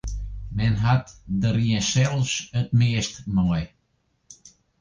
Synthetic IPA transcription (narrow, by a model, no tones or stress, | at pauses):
mɛnɦatdəriəsɛlˠsətmɪːəstmɔj